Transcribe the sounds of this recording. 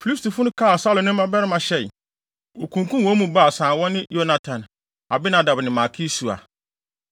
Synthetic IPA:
fi˨i˦sti˨fʊ˦nʊ̃˦kʰaː˦˨sa˦lʊ˨nɪ̃˦mã˦bɛ˦ɾɪ˦mã˨ɕɛ˨ɪ˨ | o˨kʰũ˨ŋkũ˦mwɔ̃˦mũ˨ba˦˨sãː˨wɔ˦nɪ̃˦jo˦na˨tʰã˨n | a˨bɪ˦nã˨da˨bnɪ̃˨ma˨kʰi˦su˨a̰˨

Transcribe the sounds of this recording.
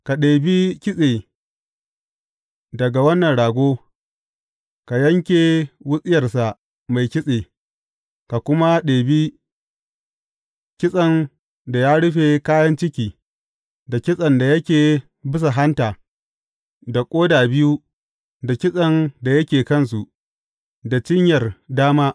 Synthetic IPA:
ka˨ɗeː˨bi˦kʲɪ˦sʼeː˨ | dɐ˨ɡa˨wɐ˦nːɐ˨nɽaː˨ɡʷoː˦ | ka˨jɐ˦ŋkʲeː˨wʊ˦sʼɪ˦jɐ˨rsa˨ʔ | ma˨jkʲɪ˦sʼeː˨ | ka˨kʷʊ˦ma˦ɗeː˨bi˦ | kʲɪ˦sʼɐ˨n | da˨jaː˦ɽʊ˦ɸe˨kaː˦jɐ˦nt͡ʃɪ˦kʲiː˨ | da˨kʲɪ˦sʼɐ˨nda˨jɐ˦kʲeː˨ | bɪ˦s̬a˨ɦa˦ntaː˨ | da˨kʷʼoː˦daː˨bɪ˦ju˦ | da˨kʲɪ˦sʼɐ˨nda˨jɐ˦kʲeː˨kɐ˦ns̬u˨ʔ | da˨t͡ʃɪ˦ɲjɐ˨rdaː˦maː˦ʔ

